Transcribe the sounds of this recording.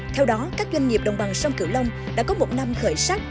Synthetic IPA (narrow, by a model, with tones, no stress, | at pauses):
t̪ʰɛ˧wɗɔ˨˦kaː˦˥k̚zwa˧ŋŋi˨˩əp̚ɗə̰˨˩wŋ͡mɓa˨˩ŋsə˧wŋ͡mkɨ˧˩wlə˧wŋ͡m | ɗa̰ː˧˥kɔ˨˦mo˨˩t̚na˧mxəː˧˩jsa˦˥t̚